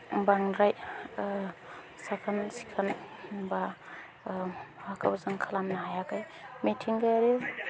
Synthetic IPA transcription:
baŋɾaj | sakʰansi̥kʰanba | hakʰa̰wzaŋkʰalamnaɦajakaj | mitʰiŋɡajaɾew

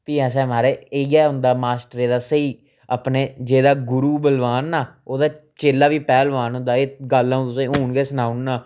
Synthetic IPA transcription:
piːɛ̃ːsɛ̃ːmaːɾeːeɡɛːɦʊ̃nd̪aːmaːsʈəɾeːd̪aːsəiː | əpneːd͡ʒeːd̪aːɡʊɾuːbəlʋaːnːaːoːd̪aːt͡ʃeːlaːʋiːpɛːlʋaːnɦʊ̃nd̪aːeːɡəlãːũt̪ʊsẽːɦoːɳɡɛːsənaːʊnːaː

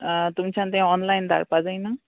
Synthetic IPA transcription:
t̪umit͡sʰãnt̪eɦãɔnlajnd̪ʱa̰ɾpad͡zʌjnʌ

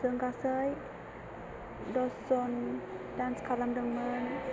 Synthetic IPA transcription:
səŋɡasəj | dɔsɔndanskʰalamdəŋən

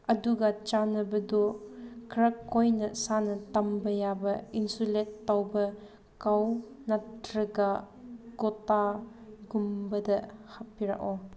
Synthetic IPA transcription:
ɐduɡat͡ʃanɐbɐdɔkʰɾɐkʰːojnɐsanɐtɐmbɐjabɐinsuletːawbɐ | kaw | natɾɐɡa | ɡɔtaɡumbɐdɐhapiɾa̰kɔ

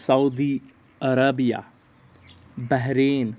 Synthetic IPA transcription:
sɐud̪iː | ɐɾabija̰ː | bɛɦɾeːn

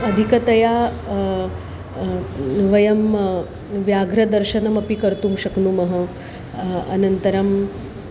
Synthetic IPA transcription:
ɐd̪ʱikɐt̪ɐjaː | ʋɐjɐm | ʋjaːɡʱɾɐd̪ɐɾʃɐnɐmɐpikɐɾt̪umʃɐknumɐɦɐ | ɐnɐnt̪ɐɾɐm

